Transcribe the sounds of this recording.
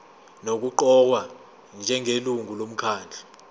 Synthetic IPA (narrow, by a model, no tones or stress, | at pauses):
nok̬uǃɔk̬wa | nd͡ʒʱɛŋeluŋʱulom̩kʰaːnd͡ɮʱḁ